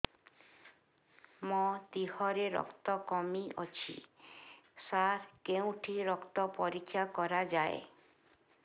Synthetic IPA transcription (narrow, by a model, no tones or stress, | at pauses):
mɔt̪ihɔɾeɾɔ̰kt̪ɔkɔmiɔ̰t͡ʃʰḭ | saɾkeũʈʰiɾɔkt̪ɔpɔɾikʰːjakɔɾad͡ʒae